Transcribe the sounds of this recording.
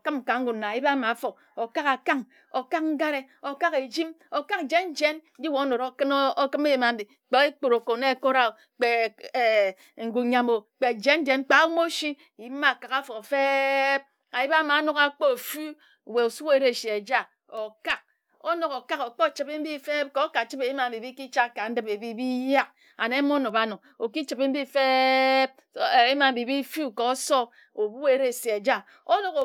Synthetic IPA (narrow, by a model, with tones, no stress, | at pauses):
o˨kɨ˦m̩˨ka˨ŋ̩˦ɡu˨na˨ji˦ba˦ma˨˦fo˨k̚ | o˨ka˦ka˨ka˦ŋ | o˨ka˦k̚ŋ̩˦ɡa˦ɾe˦o˨ka˦ke˨d͡ʒi˦mo˨ka˦k̚d͡ʒe˦n˦d͡ʒe˦n˦d͡ʒi˦wo˨o˦no˨ɾo˦kɨ˦n˦o˦kɨ˦m˦e˦je˨ma˨n̩˦di˨k͡pe˨ke˦k͡po˨ɾo˨ko˨˦ne˦˨ko˦ɾa˦o˨ | k͡pe˨e˨ | ŋ̩˨ɡu˨ɲa˨mo˨k͡pe˨d͡ʒe˦n˦d͡ʒe˨n̩˦k͡pa˨˦wu˦mo˦ʃi˦˨ji˨˦ma˦˨ka˨ka˦fo˨fe˦p̚ | a˨ji˦ba˦ma˨˦no˦ka˦k͡po˦o˨fu˦˨ | we˨o˨su˦e˦ɾe˦˨se˨e˨d͡ʒa˦ | o˨ka˦k̚ | o˦no˨ko˨ka˦ko˨k͡po˦˨t͡ʃi˨be˦m̩˦bi˦fe˦p̚ko˨˦ka˨t͡ʃi˦pe˨i˦ma˨m̩˨bi˨bi˦ki˦t͡ʃa˦˨ka˨n̩˦dɨ˦be˨bi˨bi˦ja˦k̚ | a˨ne˨˦mo˦no˨ba˦no˨k | o˨ki˦t͡ʃi˨be˦m̩˦bi˦˨fe˦b̚ | e˦ma˨m̩˨bi˨bi˦fu˦˨ko˨˦sɔ˦ | o˨bu˦e˨˦ɾe˦˨se˨e˨d͡ʒa˦ | o˦no˨ɣo˨